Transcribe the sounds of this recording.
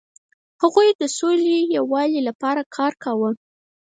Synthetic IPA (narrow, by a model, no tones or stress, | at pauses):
haɣujd̪əsolejawɑlilapɑɾakʰɑɾkawə